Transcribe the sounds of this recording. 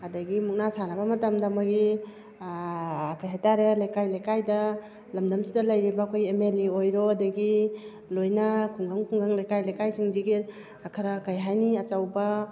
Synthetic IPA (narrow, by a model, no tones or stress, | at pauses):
adaɡimuk̚nasanabamɐtamdamaɡi | kajɦajtaɾelajkajlajkajdɐ | lɐmdɐmsidɐlajɾibaːkʰojemeliojɾɔadaɡi | lojnakʰuŋɡaŋkʰuŋɡaŋlajkajlajkajsʰiŋziɡi | akʰɐɾakajɦajniat͡ʃawba